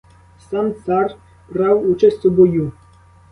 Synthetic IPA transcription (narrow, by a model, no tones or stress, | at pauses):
sant̪sar | bɾawut͡ʃɛsʲsɔbɔju